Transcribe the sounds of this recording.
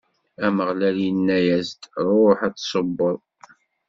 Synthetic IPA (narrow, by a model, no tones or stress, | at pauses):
æməʁlæljinːæjæzt̪ɾˤoħæt͡sːsˤəbːəðˤ